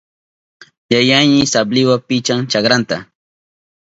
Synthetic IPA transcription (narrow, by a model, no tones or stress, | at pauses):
jajajɲɪsablɪwapɪt͡ʃaŋt͡ʃakɾant̪a̰